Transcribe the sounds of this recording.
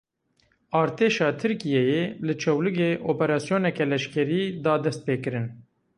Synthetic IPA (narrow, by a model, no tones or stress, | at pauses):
ɑːɾt̪ʰeːʃɑːt̪ʰɨɾkijɛjelɨt͡ʃʰɛwlɨɡeːʔoːpɛɾɑːsijoːnɛkɛlɛʃkɛɾiːd̪ɑːd̪ɛst̪̚peːkɨɾɨn